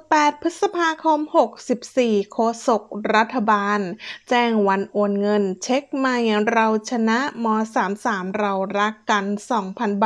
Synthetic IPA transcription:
pɛː˨˩t̪̚pʰɯ˦˥t̪̚sa˧pʰaː˧kʰɔː˧˥mho˨˩k̚si˨˩p̚siː˨˩kʰoː˧so˨˩k̚ɾa˦˥t̪ʰːa˧baː˧nt͡ɕɛː˥˩ŋwa˧nʔoː˨˩nŋɤ˧nt͡ɕʰe˦˥k̚maː˧˩ja˨˩ŋɾa˧wt͡ɕʰa˧na˦˥ʔmɔː˧saː˩˦msaː˩˦mɾa˧wɾa˦˥kːa˧nsɔː˩˦ŋpʰa˧nba˨

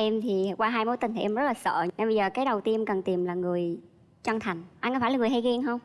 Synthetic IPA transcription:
ʔɛ˧mt̪ʰi˨˩˨kwaː˧ɦaː˧jmo˨˦jt̪i˧˩ŋ̟t̪i˨˩ʔɛ˧mzə˦˥laː˨˩sə̰ː˧˨nɛ˧ɓə˧zəː˨˩kaː˨˦jɗə˨˩wt̪i˧əmkə˨˩nt̪i˨˩mlaː˨˩ŋɨ˨˩əj | t͡ɕa˧ŋt̪ʰa˨˩jŋ̟ʔa˧nkːfaː˧˩laː˨˩ŋɨ˨˩hɦa˧jɣi˧əŋɦə˧wŋ͡m

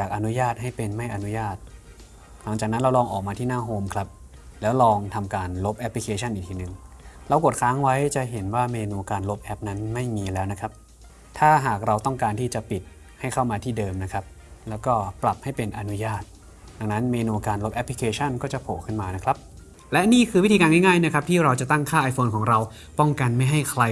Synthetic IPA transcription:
jaː˨˩k̚ʔa˧nu˦˥jaː˥˩t̪̚ɦa˥˩jpe˧nma˥˩jʔa˧nu˦˥jaː˥˩t̪̚ | la˩˦ŋt͡ɕaː˨˩k̚na˦˥nɾa˧wlɔː˧ŋʔɔː˨˩k̚maː˧t̪ʰiː˥˩naː˥˩ɦoː˧˩mkʰla˦˥p̚ | lɛː˦˥wlɔː˧ŋt̪ʰa˧mkaː˧nlo˦˥p̚ʔɛ˦˥pʰli˧kʰeː˧t͡ɕʰa˥˩nʔiː˨k̚t̪ʰiː˥nɯ˨˩ŋlɛː˧wko˨˩t̪̚kʰaː˦˥ŋwa˦˥jt͡ɕa˨˩ʔɦe˩˦nwaː˥˩meː˧nuː˧kaː˧nlo˦˥p̚ʔɛ˦˥p̚na˦˥nma˥˩jmiː˧lɛː˦˥wna˦˥kʰɾa˦˥p̚ | t̪ʰaː˥˩ɦaː˨˩k̚ɾa˧wt̪ɔ˥˩ŋkaː˧nt̪ʰiː˥˩t͡ɕa˨˩pi˨˩t̪̚ | ha˥˩jkʰa˥˩wmaː˧t̪ʰiː˥˩dɤː˧mna˦˥kʰɾa˦˥p̚ | lɛː˦˥wkɔː˥˩pɾa˨˩p̚ha˥˩jpe˧nʔa˧nu˦˥jaː˥˩t̪̚ | da˧ŋna˦˥nmeː˧nuː˧kaː˧nlo˦˥p̚ʔɛ˦pʰːli˧kʰeː˧t͡ɕʰa˥˩nkɔː˥˩t͡ɕa˨˩pʰoː˨˩kʰɯ˥˩nmaː˧na˦˥kʰla˦˥p̚ | lɛ˦˥ʔniː˥˩kʰɯː˧wi˦˥iː˧kaː˧nŋa˥˩jŋaː˥˩jna˦˥kʰɾa˦˥p̚t̪ʰiː˥˩ɾa˧wt͡ɕa˨˩t̪a˥˩ŋkʰaː˥˩ʔa˧jfʰoː˧nkʰɔː˩˦ŋɾa˧w | pɔ˥˩ŋka˧nma˥˩jɦa˥˩jkʰɾa˧

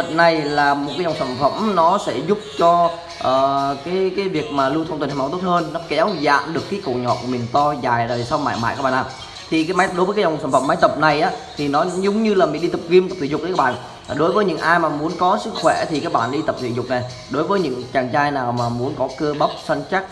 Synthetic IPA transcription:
ə˨˩n̚na˨˩jlaː˨˩mo˨˩t̚kaː˨˦zŋ͡msa˧˩nfə̰˧˩mnɔ˨˦sɛ̰˧˥zʊ˦˥p̚t͡ɕɔ˧ | ʔəː˨˩kaː˨˦jkaː˨˦jvi˨˩ək̚maː˨˩lu˧t̪ʰə˧wŋ͡mt̪ə˨˩hʰm˨˦wt̪o˦˥t̚həː˧nːɔ˨˦kɛ˨˦wza̰ː˧˨mɗɨ˨˩əkːaː˨˦jko̰˧˨ɲɔ̰˧˨ku˧˩˨mi˨˩ŋt̪ɔ˧zaː˨˩jzaː˨˩˨sa˧wŋ͡mma̰ː˧˨jma̰ː˧˨ka˧˦˩ɓa˧˨˩naː˨˩ | t̪ʰi˨˩kaː˨˦jmaː˨˦ɗo˨˦jəː˨˦kːzŋ͡msaː˧˩mfə˧˩mːa˨˦jt̪ə˨˩p̚na˨˩jʔaː˨˦t̪ʰi˨˩nɔ˨˦zʊ˧ŋ͡mɲɨ˧laː˨˩mi˨˩˨ɗi˧t̪ə˨˩p̚ki˧mt̪ə˨˩p̚t̪i˧˨ʊ˨˩k̪ə˨˦k̚ːɓa̰ː˧˨n˩ | ɗo˨˦jvəː˨˦jɲɨ̰˧˥ŋʔaː˧jmaː˨˩mu˨˦ənkɔ˨˦sɨ˦˥kxwɛ˧˩˨t̪i˨˩kaː˨˦˥k̚ɓa̰ː˧˨nɗi˧t̪ə˨˩p̚t̪ʰḭ˧˨zʊ˨˩k͡p̚na˨˩j | ɗo˨˦jvəː˨˦jɲɨ̰˧˥ŋt͡ɕaː˨˩ŋt͡ɕaː˧jnaː˨˩wmaː˨˩mu˨˦ənkɔ˨˦kə˧əɓə˦˥wk͡p̚sa˧ŋt͡ɕa˦˥t̚

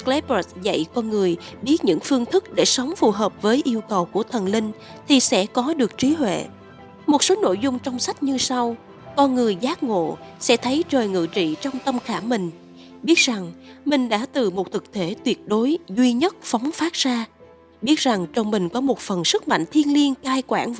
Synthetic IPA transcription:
klɛ˨˦˥pə˨˦sza̰˧˨jkɔ˧nŋɨ˨˩əjɓi˦˥ət̚ɲɨ̰˧˥ŋfɨ˧əŋt̪ʰɨ˦˥k̚ɗe˧˩sə˨˦wŋ͡mfu˨˩ɦəː˨˩p̚vəː˨˦jʔi˧əwkə˨˩wku˧˩ət̪ʰə˨˩nlï˧ŋ̟ | t̪ʰi˨˩sɛ̰˧˥kɔ˨˦ɗɨ˨˩ək̚t͡ɕi˨˦ɦwḛ˧˨ | mo˨˩t̚so˨˦no̰˧˨jzʊ˧ŋ͡mt͡ɕɔ˧wŋ͡msa˦˥k̟̚ɲɨ˧sa˧w | kɔ˧nŋɨ˨˩əjzaː˨˦˥k̚ŋo̰˧˨sɛ̰˧˥t̪ʰə˨˦jt͡ɕəː˨˩jŋɨ̰˧˨t͡ɕḭ˧˨t͡ɕɔ˧wŋ͡mt̪ə˧mxaː˧˩mï˨˩ŋ̟ | ɓi˦˥ət̚za˨˩ŋmï˨˩ŋ̟ɗa̰ː˧˥t̪ɨ˨˩mo˨˩t̚t̪ʰɨ˨˩k̚t̪e˧˩˦t̪wi˨˩ət̚ɗo˨˦jzwi˧ɲə˦˥t̚fɔ˨˦wŋ͡mfaː˦˥t̚z̥aː˧ | ɓi˦˥ət̚za˨˩ŋt͡ɕɔ˧wŋ͡mmï˨˩ŋ̟kɔ˨˦mo˨˩t̚fə˨˩nsɨ˦˥k̚ma̰˧˨ŋ̟t̪ʰi˧ənli˧ənkaː˧jkwaː˧˩n

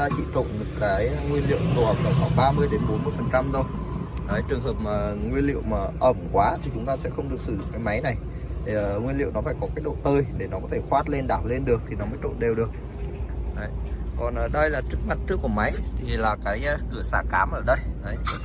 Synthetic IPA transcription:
a˧t͡ɕḭ˧˨t͡ɕo̰˧˨nm˨˩t̚kaː˨˦jŋwi˧ənlḭ˧˨əwt̪ə˨˩w̚ɗə˨˩wxaː˧˩ŋɓaː˧mɨ˧əjɗe˨˦nɓo˨˦nmɨ˧əjfə˨˩nt͡ɕa˧mzə˧w | ʔəː˨˦jt͡ɕɨ˨˩əŋɦəː˨˩p̚məː˨˩ŋwi˧ənlḭ˧˨əwmaː˨˩ʔə˧˩mkwaː˨˦t̪ʰi˨˩t͡ɕʊ˨˦ŋ͡mt̪aː˧sɛ̰˧˥xə˧wŋ͡mɗɨ˨˩ək̚sɨ˧˩zʊ̰˧˨ŋ͡mkaː˨˦jma˨˦jna˨˩j | t̪ʰi˨˩ŋwi˧ənlḭ˧˨wnɔ˨˦faː˧˩jkɔ˨˦kaː˦˥jk̚ɗo̰˧˨t̪əː˧jɗe˧˩nɔ˨˦kɔ˨˦t̪ʰe˧˩xwaː˦˥t̚le˧nɗaː˧˩w̚le˧nɗɨ˨˩ək̚t̪ʰi˨˩nɔ˨˦məː˨˦jt͡ɕo̰˧˨nɗe˨˩wɗɨ˨˩ək̚ | ʔə˨˩˦jkɔ˨˩nʔə˨˩ɗə˧jlaː˨˩t͡ɕɨ˦˥ək̚ma˨˩t̚t͡ɕɨ˦˥ək̚ːu˧˩əma˨˦jt̪ʰi˨˩laː˨˩kaː˨˦jkɨ̰˧˩əsa̰ː˧˩kaː˨˦mʔəː˧˩ɗə˧jʔə˨˦j

